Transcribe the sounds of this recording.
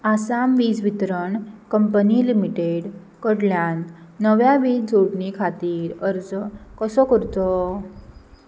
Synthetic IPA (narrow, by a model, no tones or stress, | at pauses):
asamʋiːd͡zʋit̪ɾəɳkəmpənilimiʈeɽ | kəɽljanːəʋjaʋiːt͡sd͡zoɽnikʰat̪iːɾəɾd͡zkəsɔkəɾt̪ɔ